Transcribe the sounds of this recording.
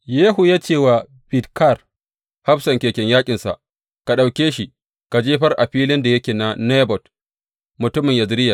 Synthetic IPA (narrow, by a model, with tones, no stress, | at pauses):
jeː˦ɦu˨jaː˦t͡ʃeː˦˨waː˨ | bɪ˨tka˦˨r | ha˦ɸsɐ˨ŋkʲeː˨kʲɛ˨ɲjaː˦kʲʼɪ˨nsa̰˨ʔ | ka˨ɗa˨wkʲeː˦ʃi˨ | ka˨d͡ʒeː˦ɸɐ˦rʔa˨ɸiː˦lɪ˦nda˨jɐ˦kʲeː˨na˨ne˦bɔ˨t | mʊ˨tʊ˦mɪ˨ɲja˨zɪ˦ɾɪ˦ja˨